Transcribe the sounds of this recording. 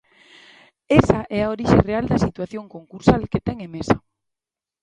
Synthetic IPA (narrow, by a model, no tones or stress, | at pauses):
esaʔɛaoɾiʃereald̪ɐsit̪waθjoŋkoŋkuɾsalket̪ɛŋemesɐ